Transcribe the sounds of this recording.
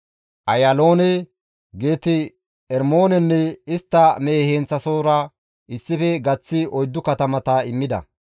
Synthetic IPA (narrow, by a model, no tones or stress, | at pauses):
ʔɐjɐlo̞ːnɛ | ɡe̞ːt̪ɪ | ɛɾmo̞ːnɛnːɛɪst̪ːɐmeːheːnt͡sːɐso̞ːɾɐ | ʔɪsːɪfɛɡɐt͡sːɪɔjd̪ːʊkɐt̪ɐmɐt̪ɐɪmːɪd̪ɐ̰